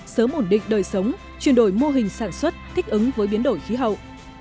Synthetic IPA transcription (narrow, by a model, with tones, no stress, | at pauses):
səː˨˦mʔo˧˩nɗḭ̈˧˨ŋ̟ɗəː˨˩jsə˨˦wŋ͡m | t͡ɕwi˨˩ənɗo˧˩jmo˧ɦï˨˩ŋ̟saː˧˩nswə˦˥t̚t̪ʰï˦˥k̟̚ʔɨ˨˦ŋvəː˨˦jɓi˨˦ənɗo˧˩jxi˨˦ɦə̰˧˨wʔ